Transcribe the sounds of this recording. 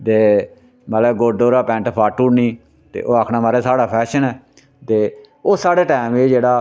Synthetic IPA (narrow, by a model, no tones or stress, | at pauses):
t̪eː | malɛːɡoːɖ̪oːɾaːpɛ̃ːɳʈpʰaːʈuːɽniː | t̪ḛːʔoːaːkʰnaːmaːɾeːsaːɽaːpʰɛːʃənɛː | t̪eː | oːsaːɽeːʈaːmeːd͡ʒeːɽaː